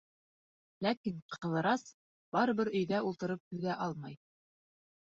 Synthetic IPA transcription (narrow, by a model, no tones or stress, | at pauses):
lækiɴqʰɤ̆lˠɤ̆ɾɑs | b̥ɑɾɤ̆βɘɾɵ̆jðæulˠt̪ɤ̆ɾɤp̚hɵ̆ɡæʔɑlˠmɑj